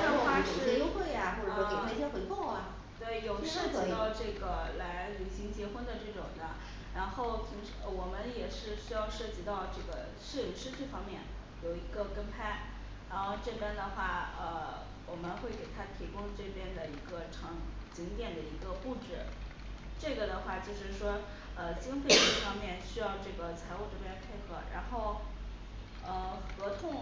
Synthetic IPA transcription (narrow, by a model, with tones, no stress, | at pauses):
ə˥˧xwa˥˧ʂɻɻɛ˥o˥xwe˥˩ɪa˩xwɔ˥˩˧i˨˩pʰa˥t͡ɕʰɛ˥xwe˧˥ko˥˩ŋɐ˨˩ | t̪we˥˩ɪjo˨˩ʊʂɻɤ˥˩t͡ɕi˧t̪ɑ˥˧ʊʈ͡ʂɤ˥˩ɡə˩la˧˥ɪly˨˩ɕi˧˥ŋt͡ɕjɛ˧˥xwə˥nd̪ə˨ʈ͡ʂɤ˥˩ʈ͡ʂʊ̰˨˩ŋd̪ə˦ | ɻa˧˥nxo˥˩ʊt̪ʰi˧˥ŋʂwɔ˨˩mə˦njɛ˨˩ʂɻ̩˥˩ɕy˥jɑ˥˧ʊʂɤ˥˩t͡ɕi˧˥t̪ɑ˥˧ʊʈ͡ʂɤ˥˩ɡə̰˩ | ʂɻ̩˥˩y˨˧˥ʂɻ̩˥t͡ɕɤ˥˩fɑ˥ŋmjɛ˥˩n | jo˨˩ʊi˧˥ɡə˧kə˥npʰa˥ɪ | ɻa˧˥nxo˥˧ʊʈ͡ʂɤ˥˩pjɛ˥nd̪ə˨xwa˥˩ə˧ | wɔ˨˩mə˦nxwe˥˩ɪke˨˩ɪt̪ʰa˥t̪ʰi˧˥kʊ˥ŋʈ͡ʂɤ˥˩pjɛ˥nd̪ə˨i˧˥ɡə˧ʈ͡ʂʰɑ˧˥ŋt͡ɕi˧˥ŋt̪jɛ˨˩nd̪ə˦i˧˥ɡə˧u˥˩ʈ͡ʂɻ̩˥˩ | ʈ͡ʂɤ˥˩ɡə˩d̪ə˩xwa˥˩t͡ɕjo˥˧ʊʂɻ̩˥˩ʂwɔ˥ | ə˧t͡ɕi˥ŋfe˥˧ɪʈ͡ʂɤ˥˩fɑ˥ŋmjɛ˥˧nɕy˥jɑ˥˧ʊʈ͡ʂɤ˥˩ɡə˩t͡sʰa˧˥ɪu˥˧ʈ͡ʂɤ˥˩pjɛ˥npʰe˥˧˩ɪxɤ˧˥ɻa̰˧˥nxo˥˩ʊ | ə˧˩xɤ˧˥t̪ʰʊ˥˩ŋ